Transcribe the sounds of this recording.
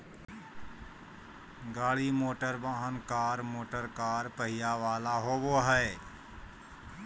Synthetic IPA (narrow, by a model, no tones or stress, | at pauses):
ɡaːɭiːmoːʈəɾbãːɦənkaːɾmoːʈəɾkaːɾpəɦɪjaːʋaːlaːɦoːʋoːɦəe